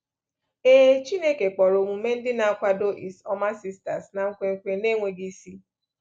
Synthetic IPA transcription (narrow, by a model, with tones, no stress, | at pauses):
e˦t͡ʃi˦ne˦ke˨k͡pɔ˨ɾo˨mu˨˦me˦n̩˦dɪ˦na˦a˦kʷa˦do˦ʔi˨sɔ˦ma˦si˦sta˨sna˨ŋ̩˦kʷe˦ŋ̩˦kʷe˦ne˦ŋʷe˨ɡi˦si˦